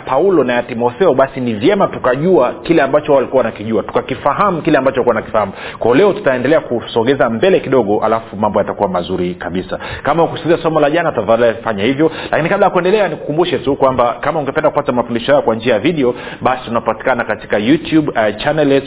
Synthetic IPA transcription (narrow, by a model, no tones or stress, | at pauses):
paulɔnajatimɔθɛɔɓasinivjɛmatukaʄuakilɛambat͡ʃɔwawalikuawanakiʄuatu̥kakifaɦamukilɛambat͡ʃɔlikuaanaki̥fahamukwaɔlɛɔtu̥taɛndɛlɛakusɔɠɛzambɛlɛkiɗɔɠɔʔa̰lafumambɔjatakuwamazuɾikaɓisakamaukusiziasɔmɔlaʄanatutaðalafaɲahivjɔlakinikaɓlajakuɛndɛlɛaniku̥kumbuʃɛtukwambakamauŋɡɛpɛndaku̥patamafundiʃɔhajɔkwand͡ʒiajaviɗɛɔ | ɓasi̥tunapati̥kanakati̥kajutjuɓt͡ʃanɛlɛ